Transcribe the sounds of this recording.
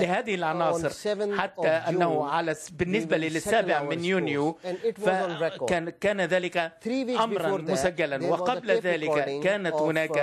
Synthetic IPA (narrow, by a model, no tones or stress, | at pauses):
lɪhaːðɪhɪlʕɑnɑːsˤɨɾħat̪ːaʔanːahʊʕalabɪnːɪsbalilɪsːaːbɪʕamɪnjuːnɪjufakakaːnaðaːlɪkaʔɑmɾˤɑmʊsaɡːalanwɪqɑblaðaːlɪkakaːnat̪hʊnaːka